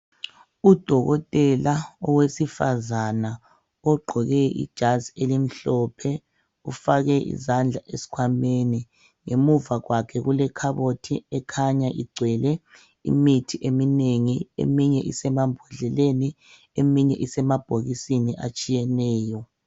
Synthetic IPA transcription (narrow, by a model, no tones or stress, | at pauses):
ud̥ʱɔɣɔtʼɛlaɔwesifa̰zana | ɔɡ͡ǃʱɔɣɛḭd̥ʒ̥ʱazielim̩ɬɔpʰɛ | ufaɣɛḭzand͡ɮʱaʔesi̥kʰwamɛnɛ | ŋemuvaɣwakʰɛɣulɛkʰaβotʰiɛkʰaɲaʔiɡ͡ǀʱwɛlɛ | ḭmitʰiʔemineŋiḛmiɲɛʔisɛmambʱɔɮɛleni | emiɲɛʔisɛmab̥ʱoɣisiniʔa̰t͡ʃʼijɛnɛːjɔ